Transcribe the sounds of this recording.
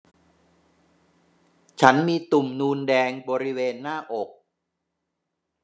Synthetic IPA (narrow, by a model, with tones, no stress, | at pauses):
t͡ɕʰa˦˥nmiː˧t̪u˨˩mnuː˧ndɛː˧ŋbɔː˧ɾi˦˥weː˧nːaː˥˩ʔo˨˩k̚